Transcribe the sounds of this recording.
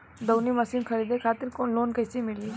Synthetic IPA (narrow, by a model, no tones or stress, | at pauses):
d̪ɐwnimɐsiːnxʰɐɾiːd̪ekʰaːt̪ɪɾkoːnloːnkɐːsemɪli